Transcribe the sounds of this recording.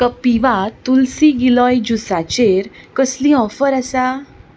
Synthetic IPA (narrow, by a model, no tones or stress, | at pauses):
kəpiʋat̪ulsĩɡilɔjd͡ʑusat͡ɕeɾkəslĩɔfəɾasa